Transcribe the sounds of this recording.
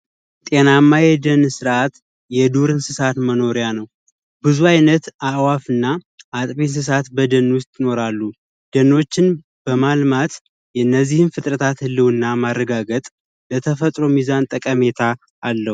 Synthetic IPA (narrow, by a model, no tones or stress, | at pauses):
t̪ʼe̞namːajɛd̪ənsɨɾʔat̪ | jɛd̪uɾɨnsɨsat̪məno̞ɾijanəw | bɨzuajnət̪awafɨnːa | ʔːt̪ʼbens̬ɨs̬at̪bəd̪ənːwʊst̪ʼjɪno̞ɾalːu | d̪̥ənːo̞t͡ʃːɪn | b̥əmalmat̪ | jɛnːəzːihɨnfɨt̪ʼɾət̪ʰat̪hɨlːɨwɨnːamarːəɡaɡət̪ʼ | lət̪ʰəfət̪ʼɾo̞mizant̪ʼəkʼəme̞t̪ʰa | ʔːlːəh